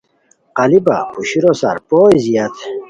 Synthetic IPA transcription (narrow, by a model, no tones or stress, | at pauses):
qɐliba̰puɕiɾosa̰ɾpojziɐt̪